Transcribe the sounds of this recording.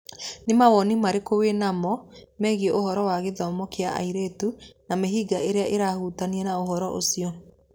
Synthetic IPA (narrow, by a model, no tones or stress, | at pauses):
nemawɔnimaɾekowenamɔmɛːɣeʔohɔɾɔwaɣeðɔmɔkea̰ʔa̰iɾetunameɦiːɡaʔeɾeaʔeɾahuːtaniɛnaoɦɔɾɔʔo̰siɔ